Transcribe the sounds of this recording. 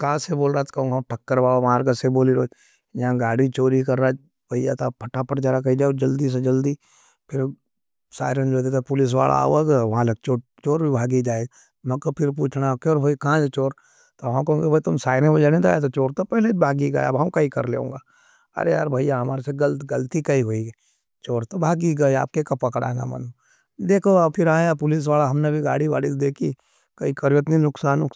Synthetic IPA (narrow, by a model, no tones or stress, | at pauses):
kãːseboːlɾaːt̪kɐɦõːɡʈʰɐkːəɾbaːoʋaːɾkəseboːliɾoː | jãɡaːɽit͡ʃoːɾikɐɾːaː | bʱɐjat̪apʰɐʈːapəʈd͡ʒaːɾakɐid͡ʒaːd͡ʒɐld̪is̬ed͡ʒɐld̪i | pʰɪɾ | sa̰ːɪɾend͡ʒod̪eːt̪apʊlɪs̬ʋa̰ːlʔa̰ːaɡʋɐɦãlɐk̚t͡ʃoːt͡ʃoːɾbʱibʱaːɡid͡ʒaːeɡ | mɐ̃kopʰɪɾp̬uːt͡ʃʰnakɔɾbʱoːikaãt͡ʃet͡ʃoːɾ | t̪oɐɦãkɦõːɡebʱɐit̪ʊmsaːɪɾẽbod͡ʒanẽt̪a̰jat̪̬ot͡ʃoːɾt̪opɛɦleibʱaːɡiɡɐ̰j̰a̰bɦɐ̃mkɐikɐɾlḛːõ̰ːŋɡaː | ɐ̰ɾeja̰ːɾbʱaijaɦɐmaːɾeseɡɐlt̪ɡɐlt̪ikɐiɦoi | t͡ʃoːɾt̪obʱaːɡiɡɐia̰ːp̚kekɐpːɐkɽa̰ːɡa̰mɐ̰n | d̪eːkʰoapʰɪɾaːjapʊlɪs̬ʋaːlaɦɐmnebʱiɡa̰ːɽiʋa̰ːɽid̪eːkʰi | kɐikɐɾʋət̪nĩnʊksaːno